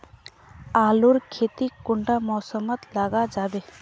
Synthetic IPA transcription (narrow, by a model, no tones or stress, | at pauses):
aːluɾkʰet̪ikʊɳɖamɔːsəmət̪laɡad͡ʒaːbe